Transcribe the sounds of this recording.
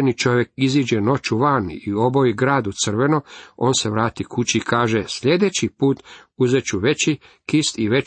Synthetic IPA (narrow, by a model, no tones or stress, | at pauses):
nit͡ʃo̞ʋjekiziːd͡ʒeno̞t͡ʃuʋanio̞bo̞jiɡɾaːd̪ut̪sɨr̩ʋe̞noo̞ːnse̞ʋɾaːt̪ikut͡ɕiːkaːʒesʎe̞d̪et͡ɕipuːt̪uzet͡ɕuʋet͡ɕi | kist̪iʋe